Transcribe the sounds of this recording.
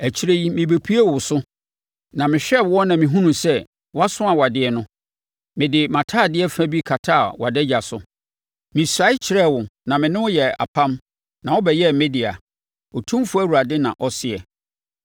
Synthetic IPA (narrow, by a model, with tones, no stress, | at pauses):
æ˨t͡ɕʰi˦ɾe˦i˦mɪ̃˨be˨pʰi˦e˦wʊ˨sʊ˦ | nã˨mɪ̃˨ɕᶣɛ˦˨bwɔ˦nã˨mĩ˨ɦũ˦nũ˨sɛ˦ | wa˦sʊ̃˦a˨wa˨dɪ˨ɛ˨nʊ̃˦ | mɪ̃˨dɪ˨mã˨tʰa˦˨dɪ˦ɛ˦fæ̃˦bi˦kʰa˨tʰa˦˨wa˨dɛ˦d͡ʑa˨sʊ˨ | mɪ̃˨sɾa˨˦ɪ˦t͡ɕʰɪ˨ɾɛ˦˨wʊ˨nã˨mɪ̃˨nɪ̃˦wʊ˦jɛ˨a̰˨pʰã˦m | nã˨ɔ˦bɛ˨jɛ˦mɛ˦di˨a̰˨ | ɔ˨tʰũ˦mfʊ˦æ˦wu˨ɾa˨dɪ˦nã̰˨ʔɔ˦sɪ˨ɛ˨